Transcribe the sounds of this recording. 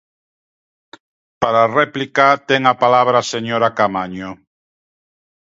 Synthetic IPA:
paɾareplikat̪eŋapalaβɾaseɲoɾakamaɲo

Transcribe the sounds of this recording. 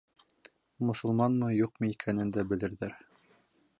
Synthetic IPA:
mŏsɤ̆lˠmɑnmɤjuq̚mɤikʰænɘnd̪æbɘ̆lɘ̆ɾðæɾ

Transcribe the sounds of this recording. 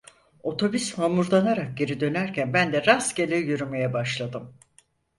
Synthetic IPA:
o̞t̪ʰo̞byshamuɾd̪ˠanaɾak̚ɟe̞ɾid̪ø̞næɾcʰænbænd̪ɛɾasɟelʲijyɾyme̞jɛbaʃlˠad̪ɯm

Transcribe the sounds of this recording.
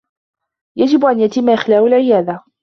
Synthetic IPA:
jad͡ʒɪbʔanjat̪ɪmːaʔɪxlaːwalʕɪjaːd̪a

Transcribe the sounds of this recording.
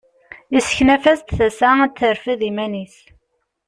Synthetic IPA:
isə̥çnæfæst̪θæsæt͡s̪ːəɾfiðimænis

